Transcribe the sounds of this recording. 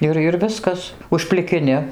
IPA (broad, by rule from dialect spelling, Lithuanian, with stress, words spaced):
ˈɪr ɪr ˈʋʲɪskɐs ʊʃʲpʲlʲɪkʲɪˈnʲɪ